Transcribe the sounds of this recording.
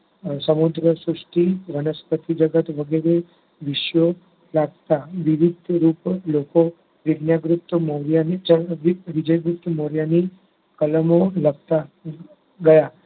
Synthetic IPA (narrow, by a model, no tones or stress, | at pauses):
səmud̪ɾəsɾuʂʈiʋənəspət̪ʰid͡ʒəɡət̪ʋəɡeɾe | ʋɪʃjo | laɡt̪aʋɪʋɪd̪ʱɾuploko | ʋɪdnjaɡɾup̚t̪moɾjanid͡ʒəʋʋɪd͡ʒəjɡɾup̚t̪moɾjani | kələmoləɡ̚t̪a | ɡəja